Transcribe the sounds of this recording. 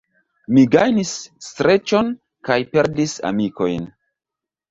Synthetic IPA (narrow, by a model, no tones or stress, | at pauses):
miɡajnisːtɾe̞t͡ʃo̞n | kajpe̞ɾdisa̰miko̞̰jn